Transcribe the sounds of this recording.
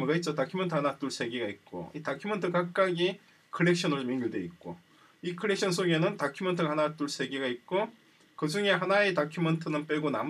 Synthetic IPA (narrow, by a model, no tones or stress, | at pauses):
ɡait̚t͡ɕ͈otakʰiumʌntʰɯhanat͈uɭsʰe̞ɡeɡait̚k͈o̰itakʰjumʌntʰɯkak̚k͈aɡi | kʰɯɭek̚ɕ͈ʰʌnɯɭt͡ɕomjeŋɡuɭdweit̚k͈o | ikʰɯɭekɕ͈ʰʌns̬ʰoɡe̞nɯntakʰimʌntʰɯhanat͈uɭs͈ʰe̞ɡeɡait̚k͈o | kɯd͡ʑuŋe̞ɦanaetakʰjumʌntʰɯnɯnp͈eɡonam